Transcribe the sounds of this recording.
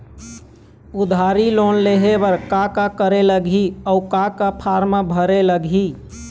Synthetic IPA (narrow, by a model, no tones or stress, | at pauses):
ud̪ʱaɾilonleɦebəɾkakakəɾeləɡʱiəukakapʰaɾmabʱəɾeləɡʱi